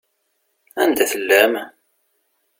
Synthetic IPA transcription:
ænd̪æθəlːæm

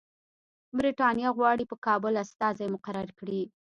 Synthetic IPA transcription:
bɾiʈɑnjɑɣwɑɽipəkɑbʊlast̪ɑzajmʊqaɾaɾkɽi

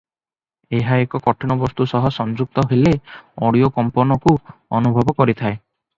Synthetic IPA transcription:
eɦaekɔkɔʈʰiñɔbɔst̪usɔɦɔsɔnd͡ʒuk̚t̪ɔɦeleɔɽiokɔmpɔnɔkuɔnubʱɔbɔkɔɾit̪ʰae

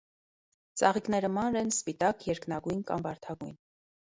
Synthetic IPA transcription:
t͡sɑʁiknɛɾəmɑnɾɛnspit̪ɑkjɛɾknɑɡujnkɑ̰mbɑɾt̪ʰɑɡujn

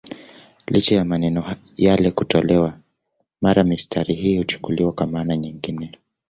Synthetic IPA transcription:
lit͡ʃajamanɛnɔ | jalɛkutɔlɛwa | maɾamistʰaɾiɦiːhut͡ʃu̥kuliwakwamaːnaɲiŋɡinɛ

